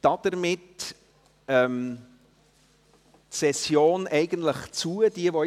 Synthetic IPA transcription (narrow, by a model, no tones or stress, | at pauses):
d̥ɑd̥̪əɾmɪt | ɛm | tsɛsjoːnʔɛɪɡəntləχt͡suəd̥iəvɔ